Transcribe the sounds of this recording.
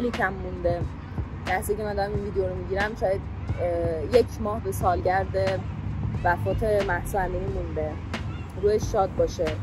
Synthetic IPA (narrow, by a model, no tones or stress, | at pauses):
licʰæmːũnd̪e | d̪̥æhsiːjicʰʲeænd̪ɒɾæminviːd̪eoɾomiɟiɾæmʃɒːjæd̪ | jecʰmɒːhbe̞sɒːlɟæɾd̪e | væfɒːt̪ʰe̞mæhsuæmbiːniːmund̪e̞ | ɾuːeʃːɒːd̪̚bɒːʃe